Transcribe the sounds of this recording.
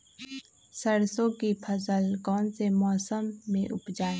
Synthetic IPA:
səɽsõkipʰəsəlkɔːnsemɔːsəmːẽʔʊpd͡ʒaːeː

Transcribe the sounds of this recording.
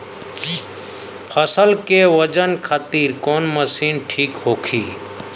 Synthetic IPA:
pʰəsəlkeʋəd͡ʒənkʰat̪iːɾkoːnməsiːnʈʰiːkɦoːkʰiː

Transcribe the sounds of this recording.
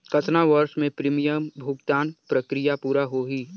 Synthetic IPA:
kɐt̪ʰnaʋəɾʃmẽpɾiːmijəmbʱʊɡt̪aːnpɾɐkɾijapuːɾaɦoɦiː

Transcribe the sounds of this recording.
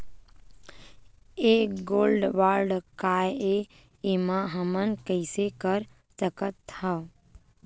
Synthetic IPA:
eɡoːlɖʋaːɾɖkaːje | emãɦəmənkəɪsekəɾ | t̪əkət̪ʰa

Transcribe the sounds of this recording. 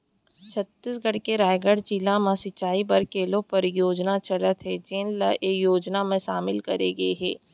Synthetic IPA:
t͡ʃʰɐt̪ːɪsɡəɽkeɾaːjɡəɽd͡ʒilamãsɪt͡ʃaːibɐɾkeːlõpɐɾjoːd͡ʒnat͡ʃɐlət̪ɦɛd͡ʒenlaʔejoːd͡ʒnamẽʃaːmɪlkɐɾeɡɐeɦɛː

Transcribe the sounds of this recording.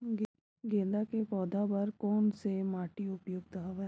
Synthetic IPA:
ɡẽːd̪akepɔːd̪ʱabɐɾkɔːnsemaːʈiʊpjoːɡ̚t̪ɐɦaʋa

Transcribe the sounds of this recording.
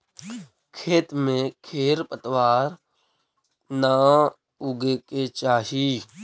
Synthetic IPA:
kʰeːt̪mẽkʰeːɾpət̪ʋaːɾ | naː | uɡeket͡ʃaːɦiː

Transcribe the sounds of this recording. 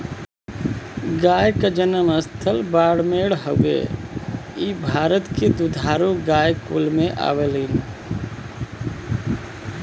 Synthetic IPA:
ɡaːjkad͡ʒənəməst̪ʰəlbaːɽmeːɽɦəḛː | iːbʱaːɾət̪ked̪ud̪ʱaːɾoɡaːjkṵlmẽʔa̰ːʋəliːn

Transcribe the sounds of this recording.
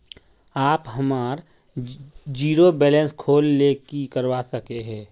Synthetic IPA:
aːpɦəmaːɾ | d͡ʒiːɾobɛːlə̃nskʰoːlːekikəɾwasəkeɦɛ̃ː

